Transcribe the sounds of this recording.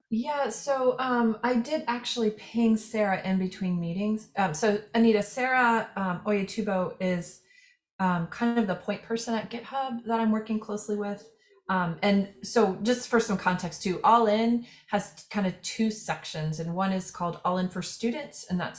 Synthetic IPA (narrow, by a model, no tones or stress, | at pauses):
jæsoʊʔʌ̃maɪdɪɾæk̚t͡ʃʉl̩ˠipʰɪ̃ŋsɛɹɨʔɪ̃nbɨtʰw̥ĩnmiɾɪ̃ŋz̥ʔʌ̃msoʊɨniɾɨsɛɹəʌ̃mɔɪɨtʰʉboʊɪz̥ | ʌ̃mkʰãɪ̃ndʌvðəpʰɔ̃ɪ̃npʰɜ˞sɨ̃nɨt̚ɡ̥ɛt̚hʌb̚ðəɾãɪ̃mwɜ˞kɪ̃ŋkʰl̥oʊsliwɪð̥ | ʌ̃mɨ̃nsoʊ̥d͡ʒʌstfə˞sʌ̃mkʰɑ̃ntʰɛkstʰʉʔɔlˠɪ̃nɨz̥kʰãɪ̃ndɨv̥tʰʉsɛkʃɨ̃nzɨ̃nwʌ̃nɨz̥kʰɔlˠdɔlˠɪ̃nfə˞stʉdⁿn̩tsɨ̃nðæ̰ts